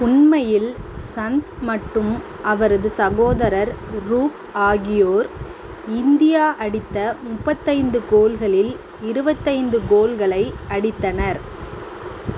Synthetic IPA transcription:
ʊɳmɐjɪlsɐnd̪mɐʈrɯm | ʔɐʋɐɾɐðɯsɐɣoːðɐɾɐɾɾuːk | aːɣɪjoːɾ | ɪnd̪ɪjaːʔɐɽɪt̪ːɐmʊpːɐt̪ːɐɪnd̪ɯkoːlɣɐɭɪl | ɪɾɯbɐt̪ːɐɪnd̪ɯkoːlɣɐɭɐɪɐɽɪt̪ːɐnɐɾ

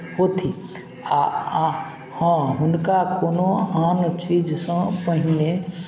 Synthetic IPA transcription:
ɦoːt̪ʰi | a | hãɦʊnkakoːnoaːnt͡ʃiːd͡ʒsə̃pəɦine

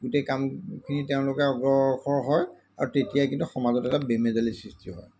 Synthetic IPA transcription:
ɡutekamkʰiniteʊ̃lʊkɛɔɡɔxʰɔɹɦɔj | a̰ɹutetijajkintuxɔmazɔtɛtabemezalisɹistʰiɦɔ̰j

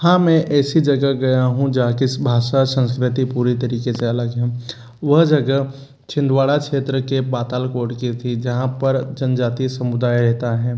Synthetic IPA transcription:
hãːmɛ̃ʔɛːsid͡ʒɐɡəɦɡɐjaɦũd͡ʒaːkisbʱaːʃasə̃nskɾɪt̪ipuːɾit̪ɐɾiːkeseɐləɡɦɛ̃ː | ʋɐɦd͡ʒɐɡə | t͡ʃʰɪ̃nd̪ʋaːɭakʃeːt̪ɾəkebaːt̪aːlkoːʈkit̪ʰid͡ʒɐɦãpɐɾd͡ʒɐnd͡ʒaːt̪isɐmʊd̪aːjɾɛɦt̪aɦɛː

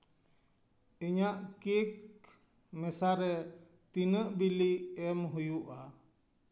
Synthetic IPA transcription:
iɲaʔkik | məsaɾe | t̪inəʔbiliɛmɦujuʔa

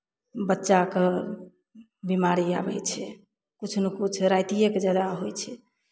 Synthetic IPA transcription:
bətːʃake | bimaɾia̰bɛt͡ʃʰɛ | kut͡ʃʰnekut͡ʃʰɾajt̪ijekd͡ʒad̪aɦojt͡ʃʰɛ

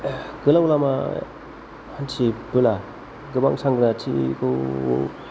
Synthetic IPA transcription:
ɡɯlawlama̰ | hansʰibɯla | ɡɯba̰ŋsaŋɡɯnatʰḭkʰɯ̰

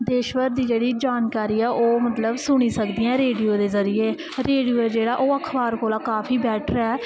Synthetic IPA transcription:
d̪eːʃʋəɾd̪iːd͡ʒeːɽiːd͡ʒaːnkaːɾiːɛːʔoːmət̪ləbsʊɽ̃iːsəkd̪iːãɛ̃ɾeːɖiːoːd̪eːzəɾɪjeː | ɾeːɖijoːɛːd͡ʒeːɽaːʔoːəkʰbaːɾkʰoːlaːkaːpʰiːbɛːʈʰɾɛː

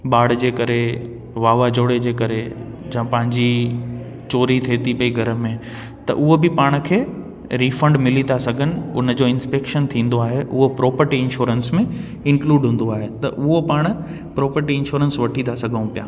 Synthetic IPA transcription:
ɓaːɽ̤d͡ʑeːkɐɾe | ʋaːʋad͡ʑoːɽed͡ʑeːkɐɾe | d͡ʑɐ̃pɐ̃ɦɪ̃ɲd͡ʑi | t͡ɕoːɾit̪ʰeːt̪ipɐiɡʱɐɾəmẽ | t̪ɐ̰ʔʊɦobɪpaːɽ̃ə̆kʰeː | ɾiːfɐ̃ɳɖmɪlit̪ʰasɐɡʱənɪ̆ʊnə̆d͡ʑoːɪ̃nspeːkʃənt̪ʰĩːn̆d̪oaːɦeʔʊɦopɾɔːpəɾʈiɪnʃuːɾənsmẽ | ɪ̃ŋkluːɖɦũːn̆d̪oaːɦet̪ɐʔʊɦopaːɽ̃ʊ̆ | pɾɔːpəɾʈiɪ̃nʃuːɾənsʋɐʈʰit̪ʰasɐɡʱə̃ũpija̰ː

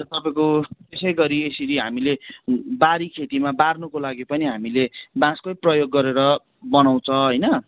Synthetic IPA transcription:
t̪ʌpãĩkot̪esʌjɡʌɾiesiɾiɦamilebaɾikʰet̪imabarnukolaɡipʌniɦamilebãskojprʌjoɡːʌɾeɾʌ | bʌnaw̃t͡sʰʌɦʌjnʌ

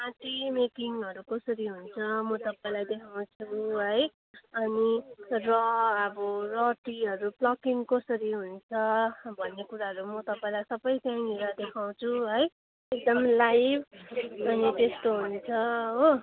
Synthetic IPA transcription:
ãʈimekiŋʌɾukʌsʌɾiɦunt͡sʰʌmʌt̪ʌpaĩlajd̪ekʰaw̃t͡sʰuɦʌj | ʌnirʌʌbʌrʌʈiɦʌɾuplʌkiŋkʌsʌɾiɦunt͡sʰʌbʱʌnːekuɾaɦʌɾumʌt̪ʌpaĩlajsʌbʌjt̪jãŋiɾad̪ekʰaw̃t͡sʰuɦʌj | ek̚d̪ʌmlajbʌnit̪est̪oɦunt͡sʰʌɦo

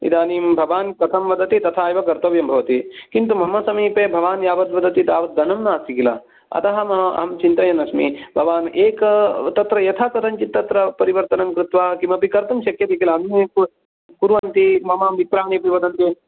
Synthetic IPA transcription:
ḭd̪aːniːmbʱɐʋaːnkɐt̪ʰɐmʋɐd̪ɐt̪it̪ɐt̪ʰaːjʋɐkɐɾt̪ɐʋjɐmbʱɐʋɐt̪ikint̪umɐmːɐsɐmiːpeːbʱɐʋaːnjaːʋɐt̪ʋɐd̪ɐt̪it̪aːʋɐd̪̚d̪ɐnɐmnaːst̪ikila̰ | ɐ̰t̪ɐɦɐmɐ̰ɦɐmt͡ʃint̪ɐjɐnɐsmḭbʱɐʋaːneːkt̪ɐt̪ɾɐjɐt̪ʰat̪ɐt̪ɐɲt͡ʃit̪ːɐt̪ɾɐpɐɾiʋɐɾt̪ɐnɐmkɾut̪ʋaːkimɐpikɐɾt̪ɐmʃɐkjɐt̪ikilaːnmeku | puɾʋɐnt̪imɐmaːmʋikɾaːɳipiʋɐd̪ɐnt̪i

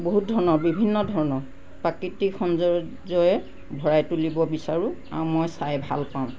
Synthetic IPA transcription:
boɦut̚dʱɔɹɔnɔbibʱinːɔdʱɔɹɔnɔɹ | pakitixʰɔnzɔ | zɔjɛ | bʱɔɹajtulibɔbisaɹʊ̃a̰mɔjsajbʱa̰lpãʊ̃

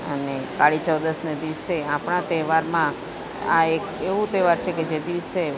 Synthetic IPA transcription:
ə̰nekaɭit͡ʃəwd̪əsned̪iʋseapɳ̃at̪ɛʋaɾmã | a̰ekeʋũt̪ɛʋaɾt͡ʃʰeked͡ʒed̪iʋse

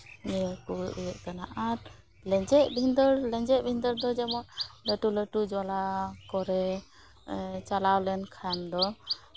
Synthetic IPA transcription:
nɛkuʔijɛʔkanaʔaɾ | lɛd͡ʒɛʔbʱind̪əɾlɛ̃ɲd͡ʒɛʔ̚bʱind̪əɾd̪ɔd͡ʒɛmɔt̪ləʈuləʈud͡ʒalakɔɾɛ | t͡ʃalawlɛnkʰand̪ɔ

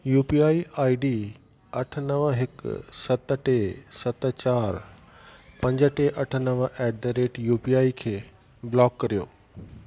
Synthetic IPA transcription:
juːpiaːiʔaːiɖiː | ɐʈʰənɐʋəɦɪksɐt̪əʈesɐt̪ə̆t͡ɕaːɾ | pɐ̃ɲd͡ʑəʈeʔɐʈʰə̆nəʋʔɛːɖ̚d̪əɾeːʈjuːpiaːikʰeː | blɔːkːɐɾijo̰ː

